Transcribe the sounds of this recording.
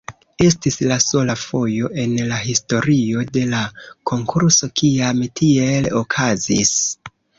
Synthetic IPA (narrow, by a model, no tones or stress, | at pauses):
e̞stislaso̞lafo̞jo̞ʔe̞nlaɦisto̞ɾio̞de̞lakʰo̞ŋkʰuɾso̞kʰiamtʰielo̞kʰazis